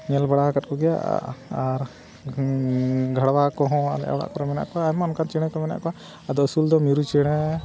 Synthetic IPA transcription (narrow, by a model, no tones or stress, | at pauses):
ɲɛlbaɽakat̪̚kɔɡɛja̰ʔaɾ | ɡʱaɽwakɔɦɔ̃a̰lɛ̰ʔa̰wɽa̰ʔkɔɾɔmɛna̰ʔkɔaːmɔnkant͡ʃɛɽ̃ɛkɔmɛna̰ʔkɔa | ad̪ɔəsuld̪ɔmiɾut͡ʃɛɽ̃ɛ